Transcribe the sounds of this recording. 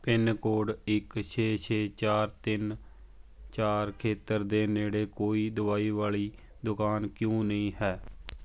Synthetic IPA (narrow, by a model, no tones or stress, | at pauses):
pɪnkoːɽɪkt͡ʃʰeːt͡ʃʰeːt͡ʃaːɾt̪ɪn | t͡ʃaːɾkʰeːt̪əɾd̪eːneːɽeːkoːiːd̪ʊaːiːʋaːɭiː | d̪ʊkaːnkjõːnəĩːɦɛː